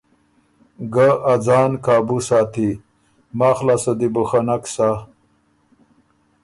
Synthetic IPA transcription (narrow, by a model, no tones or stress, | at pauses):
ɡaʔːd͡zaːnkaːbusaːt̪i | maːxlasəd̪ibuxanaksa